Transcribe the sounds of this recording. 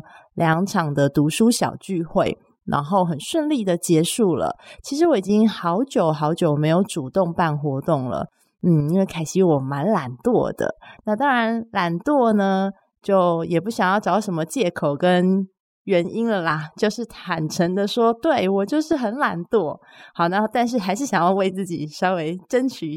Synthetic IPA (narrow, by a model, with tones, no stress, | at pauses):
ljɑ˧˥ŋʈ͡ʂʰɑ˨˩ŋd̪ə˦t̪u˧˥ʂu˥ɕjɑ̰˨˩ʊt͡ɕy˥˧xwe˥˩ɪ | nʔa̰˧˥nxo˥˩ʊxə˨˩nʂwə˥˧nli˥˩d̪ə˨˩t͡ɕjɛ˧˥ʂu˥˩lə̰˩t͡ɕʰi˧˥ʂɻ̩˧˥wɔ˧˦i˨˩t͡ɕi˦ŋxɑ˧˥ʊt͡ɕjo˨˩ʊxɑ˧˥ʊt͡ɕjo˨˩ʊme˧˥ɪjo˧˩ʊʈ͡ʂu˨˩t̪ʊ˥˧ŋpa˥˩nxwɔ˧˥t̪ʊ˥˩ŋlə̰˩ | n̩˥˩i˥nwe˥˩ɪkʰa˨˩ɪɕi˧˥wɔ˨˩ma˧˦˥nla̰˨˩nt̪wɔ̰˥˨˩d̪̥ə̰˩na˥˧t̪ɑ˥ŋɻa˧˦nla˨˩nt̪wɔ˥˩nə˩ | t͡ɕjo˥˩ʊjɛ˨˩pu˥˩ɕjɑ˨˩ŋjɑ˥˩ʊʈ͡ʂɑ˧˥ʊʂə˧˥nmə˧t͡ɕjɛ˥˩kʰo˨˩ʊkə˦˥n | ɥɛ˧˥ni˥nlə˨la˨˩t͡ɕjo˥˧ʊʂɻ̩˥˩t̪ʰa˨˩nʈ͡ʂʰə˧˥ŋd̪ə˨˧ʂwɔ˥t̪we˥˩ɪwɔ˨˩t͡ɕjo˥˧ʊʂɻ̩˥˩xə˧˥nla˨˩nt̪wɔ˥˩ | xɑ˨˩ʊna˥˧t̪a˥˧nʂ̬ɻ̩˥˩xa˧˥ɪʂ̬ɻ̩˥˩ɕjɑ˨˩ŋjɑ˥˧ʊwe˥˧ɪt͡sɹ̩˥˩t͡ɕḭ˨˩ʂɑ˥ʊwe˧˥ɪʈ͡ʂə˥nt͡ɕʰy˨˥